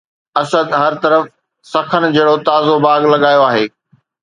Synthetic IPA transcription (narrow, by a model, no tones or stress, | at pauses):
ɐsəd̪ɦɐɾt̪ɐɾəf | sɐkʰənɪ̆d͡ʑɐːɽot̪aːzobaːɡlɐɠaːjoaːɦeː